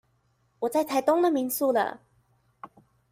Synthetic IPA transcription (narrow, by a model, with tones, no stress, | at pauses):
wɔ˨˩t͡sa˥˩ɪt̪ʰa˧˥jt̪ʊ˥ŋd̪ə˨mi˨˧˥ŋsu˥˧lə̰˨